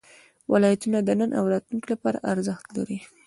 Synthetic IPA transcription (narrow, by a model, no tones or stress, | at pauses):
wʔɪlɑjat̪unad̪ənənʔa̰wɾɑt̪lunklapɑɾa̰ʔaɾzəxt̪la̰ɾi